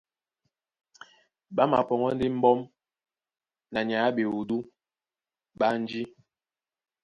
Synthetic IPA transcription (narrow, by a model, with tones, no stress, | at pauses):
ba˦ma̰˨pɔ˨ŋɔ˦n˦di˦m̩˦bɔ˦m | na˨ɲ˨a˨˦be˨u˨du˦ | ɓa˦n̩˦d͡ʒi˦